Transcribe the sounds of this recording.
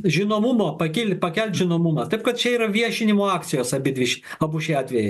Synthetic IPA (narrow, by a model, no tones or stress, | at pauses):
ʒʲɪnoːmumoːpɐkʲɪlʲpɐkʲɛlʲt̪ʲʒʲɪnoːmumɐt̪ɐɪp̚kɐt̪t͡ʃʲɛiːɾɐʋʲiɛʃʲɪnʲɪmoːɑːkt̪sʲɪjoːsɐbʲɪd̪ʲʋʲɪʃʲɐbuʃʲeɑːt̪ʲʋʲɛjɛ